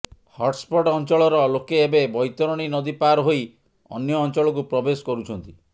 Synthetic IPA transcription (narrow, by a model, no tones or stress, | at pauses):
hɔʈspoɖɔnt͡ʃɔɭɔɾɔlokeːbebɔjt̪ɔɾɔɽ̃inɔd̪ipaɾɦoj | ɔ̰njɔːnt͡ʃɔɭɔk̬upɾɔbesɔ̥kɔɾut͡ʃʰɔnt̪i